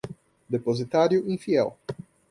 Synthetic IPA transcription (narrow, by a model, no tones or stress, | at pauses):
d̪epozit̪aɾjʊĩfiɛl